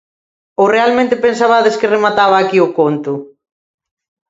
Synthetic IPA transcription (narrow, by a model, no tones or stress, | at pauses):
orealmẽnt̪ɪpensaβaðeskɪremat̪aβaːkiʊkont̪ʊ